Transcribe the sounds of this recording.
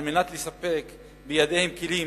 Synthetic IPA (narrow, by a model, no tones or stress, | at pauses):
lmenat̪lesape̞k | bejad̪e̞hemkeli